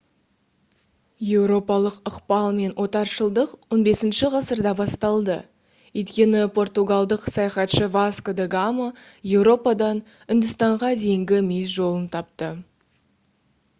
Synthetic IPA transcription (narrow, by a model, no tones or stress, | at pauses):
je̞wɾo̞pɑlˠəqəqpɑlˠme̞nwʔo̞t̪ɑɾʃəlˠd̪əqwo̞nbe̞sɪnʃɪʁɑsəɾd̪ɑbɑst̪ɑlˠd̪ə̰ | ʏjt̪kʲe̞nɪpʰo̞rt̪uɡalˠd̪əqsɑjɑχɑt̪ʃəvaskod̪eɡaməje̞wɾo̞pɑd̪ɑn | ʏnd̪ɪst̪ɑɴʁɑd̪e̞jɪŋɡʲɪmejsʒo̞lˠənt̪ʰɑp̚t̪ə